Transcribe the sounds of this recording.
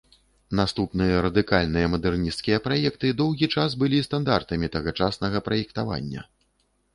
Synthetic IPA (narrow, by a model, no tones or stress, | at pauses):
nast̪upnɨjɐɾɐd̪ɨkalʲnɨjɐmɐd̪ɛrnʲist̪skʲijɐpɾajɛk̚t̪ɨd̪ɔwɣʲit͡ʂas̬bɨlʲist̪and̪art̪ɐmʲit̪ɐɣat͡ʂasnɐɣɐpɾɐjɛkt̪ava̰nʲːɐ̰